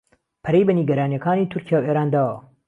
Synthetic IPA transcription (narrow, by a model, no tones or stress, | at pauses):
pʰɐɾejbɐniɡɐɾaːnijɐkʰaːniːt̪ʰʊɾcʰijaːweːɾaːnd̪aːwɐ̰